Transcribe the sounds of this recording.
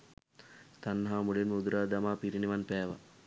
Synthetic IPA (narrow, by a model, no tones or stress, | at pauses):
t̪anːɐɦaːmulinmud̪uɾaːd̪amaːpiɾiniʋanpæːʋa̰